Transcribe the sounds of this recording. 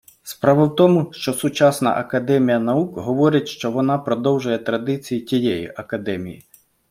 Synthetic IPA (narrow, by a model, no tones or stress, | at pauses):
spɾɑʋɐwt̪ɔmʊʃt͡ʃɔsʊt͡ʃɑsnɐ̰ʔɐkɐd̪ɛmʲijɐnɐukɦɔʋɔɾɪtʲʃt͡ʃɔʋɔnɑpɾɔd̪ɔwʒʊjɛt̪ɾɐd̪ɪt͡sʲijitʲijɛjḭʔɐkɐd̪ɛmʲḭjḭ